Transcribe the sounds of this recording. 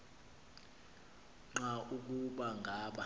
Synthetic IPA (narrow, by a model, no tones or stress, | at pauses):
ŋ͡ǁauk̬uɓaŋɡʱaːɓa